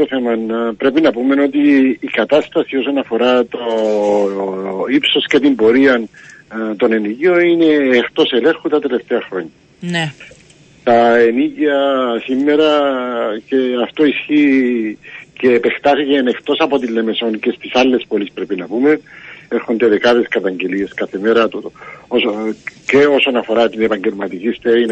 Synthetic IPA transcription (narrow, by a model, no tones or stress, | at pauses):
oθe̞mɐnpɾe̞pinɐpume̞no̞t̪iːkɐt̪ast̪ɐsio̞so̞nɐfo̞ɾat̪o | ipso̞sce̞t̪imbo̞ɾiɐnt̪o̞ne̞niʝio̞ine̞ːxt̪o̞se̞le̞ɾxut̪ɐt̪e̞le̞ft̪e̞ɐxɾo̞ɲːɐ | ne | t̪ɐeniʝiɐsimːeɾɐceaft̪o̞isçi | ceːpe̞xt̪aθicenext̪o̞sɐpo̞t̪ilːe̞me̞so̞nce̞st̪isalːe̞spo̞lispɾepinɐpume̞neɾxond̪e̞ðe̞kaðe̞skɐt̪ɐɲɟe̞lie̞skaθe̞meɾɐt̪oosceo̞sonɐfo̞ɾat̪ine̞pɐɲɟe̞lmɐt̪icist̪ein